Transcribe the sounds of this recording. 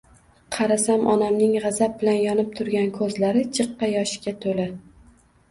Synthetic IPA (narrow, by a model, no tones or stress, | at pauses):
qʰɑɾasamʔɒnamnɪŋʁɑzab̚bɪlanjɒnɪp̚t̪ʰʊɾɡʲankʰɵzlaɾɪt͡ʃʰɨqːɑjɒʃɪ̥ɡʲat̪ʰola